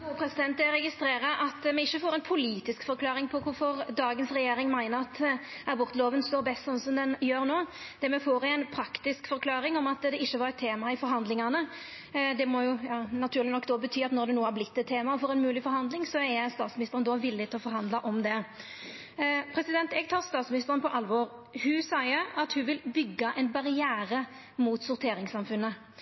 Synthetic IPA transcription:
upʰɾɛsɪd̪ɛnt̪̚d̪ɛɾɛɡɪst̪ɾeːɾəʔɑt̪mɛɪçːəfoːɾɛɪnpʰʊliːt̪ɪskfɔɾkʰlɑːɾɪŋpʰɔkʰʊɾfɔɾd̪ɑːɡənsɾɛjeːɾɪŋmæɪnəɾɑt̪ɑbʊɾt̪əloːʋənst̪oːɾbɛst̪sɔnsɔmd̪ɛnjøːɾnoːd̪̥ɛmɛfoːɾæɪnpʰɾɑkt̪ɪskfɔɾkʰlɑːɾɪŋɔmɑt̪d̪ɛɪçːəʋɑɾɛt̪ʰːeːmɑɪfɔɾɦɑnd̪lɪŋɑnə | d̪ɛmɔjʊjɑːnɑt̪ʰʉːʁlɪnɔkːd̪oːbət̪ʰyːɑt̪nɔɾd̪ɛnuːɑʁblɪt̪ːɛt̪ʰːeːmɑɔfɔɾɛnmʉːlɪfɔɾhɑnd̪lɪŋsɔɛst̪ɑːt̪smɪnɪst̪əɾnd̪ɔʋɪlːɪt̪ɪlɔfɔɾɦɑnd̪lɑʔɔmd̪ɛ | pʰɾɛsɪd̪ɛnt̪ɛɡt̪ʰɑːʁst̪ɑːt̪smɪnɪst̪əʁənpʰɔʔɑlʋɔːɾhʉsɑɪəɑt̪hʉʋɪlbʏɡːɑʔɛnbɑʁɪæːɾə | muːt̪sʊɾt̪ʰeːɾɪŋsɑmfʉnːə

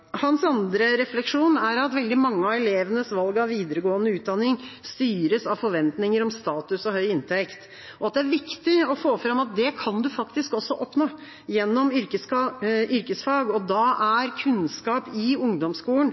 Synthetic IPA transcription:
hɑnsɑnd̪ɾəɾɛflɛkʂuːnæɾɑt̪ʋɛld̪ɪmɑŋːəɑɛleːʋənəsʋɑlɡɑʋʋiːd̪əɾəɡoːənəʉːt̪̚d̪ɑnːɪŋst̪yːɾəsɑʋfɔɾʋɛnt̪nɪŋəɾɔmst̪ɑːt̪ʉsɔhœʏɪnt̪ʰɛkt̪ | ɔɑt̪̚d̪ɛæɾʋɪkt̪ɪɔfoːfɾɑmɑt̪̚d̪ɛkʰɑnd̪ʉfɑkt̪ɪskɔsːɔʔɔpnoː | jɛnːɔmʏɾkəsʏɾkəsfɑːɡɔd̪ɑæɾkʰʉnskɑːpɪʊŋd̪ɔmskuːlən̩

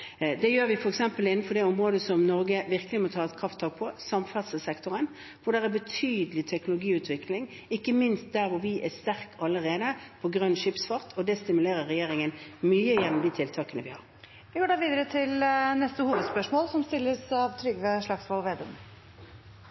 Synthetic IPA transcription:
d̪ɛjøːɾʋɪfɔʁɛksɛmpəlɪnːn̩fɔd̪ɛɔmʁoːd̪əsɔmnɔɾɡəʋɪʁkəlɪmɔt̪ʰɑːɛt̪kʰɾɑft̪ʰːɑːk̚pʰɔsɑmfæd̪səsɛkt̪ʊɾən | ʋʊɖ̪ɛʁæbət̪ʰyːd̪əlɪt̪ʰɛknʊlʊɡiːʉːt̪ʰʋɪklɪŋ | ɪkːəmɪnst̪̚d̪æɾʋʊɾʋɪʔɛst̪æɾkɑlːəʁeːd̪əpʰɔɡʁœnːʃɪpsfɑʁt̪ʰɔd̪ɛst̪ɪmʉleːɾəɾʁːɛjeːɾɪŋənmyːəjɛnːʊmd̪iːt̪ʰɪlt̪ʰɑːkənəʋɪhɑ̰ʁ | ʋɪɡoːɖɑːʋiːd̪əɾət̪ʰɪlnɛst̪əhuːʋəd̪spœʂmoːlsɔmst̪ɪlːəsɑʋt̪ʰɾʏɡʋəʂɭɑksmɔːlʋeːd̪ʊm

